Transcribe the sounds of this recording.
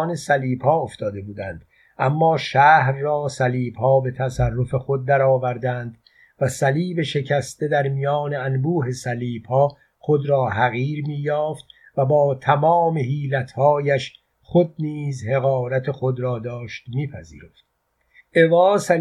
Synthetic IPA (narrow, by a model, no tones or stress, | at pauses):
ne̞sæliːbhɒːoft̪ɒːd̪e̞buːd̪ænd̪̥ | ʔæmːɒːʃæːhɾːɒːsæliːbhɒːbe̞t̪ʰæsærːo̞fe̞xod̪̚ːæɾɒːvæɾd̪ænd̪ | væsæliːbe̞ʃe̞cʰæst̪e̞d̪æɾmijɒːneænbuːɦe̞sæliːb̥hɒː | χod̪ɾɒːɦæɣiːɾmiːjɒːft̪̚ | væbɒːt̪ʰæmɒːme̞ɦiːlæt̪ʰhɒːjæʃ | χo̞d̪̚niːzhe̞ɣɒːɾæt̪ʰe̞xo̞d̪ɾɒːd̪ɒːʃt̪miːpʰæzḭːɾoft̪ | ʔe̞vɒːsæ